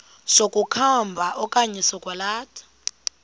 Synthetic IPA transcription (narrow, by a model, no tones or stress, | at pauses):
sokʼukʰambʱaʔɔkʼaɲɛsɔkʼwalaːtʰḁ